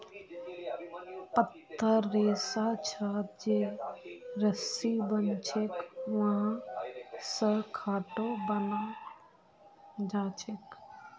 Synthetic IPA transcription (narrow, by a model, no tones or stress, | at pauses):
pət̪ʰːəɾːeːsat͡ʃʰəd͡ʒe | ɾəsibənt͡ʃʰekʋɐɦã | səɽkʰaːʈobəna | d͡ʒaːt͡ʃʰek